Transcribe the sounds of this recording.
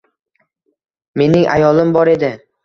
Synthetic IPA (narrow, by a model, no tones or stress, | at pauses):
me̞nɪŋʔa̰jɒlˠɪmbɒɾe̞d̪ɪ